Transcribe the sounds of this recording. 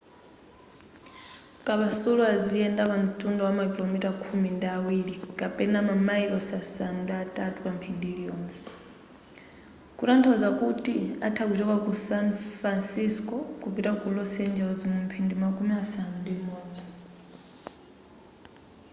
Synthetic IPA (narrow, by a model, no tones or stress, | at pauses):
kʼaβasuluaziɛndaβam̩tʼundɔwamakilomitakʰumindiawiɺikʼapʼɛnamamaiβasasanudaatʼatʼupampʰindiɺiɔːnsɛ̥ | kʼutantʰɔd͡zakutʼiatʰakut͡ʃɔkakusanfɾansiskʼɔkupitakulɔsɛnd͡ʒɛlɔd͡zimum̩pʰindimakʼumiasanundimɔːd͡zɔ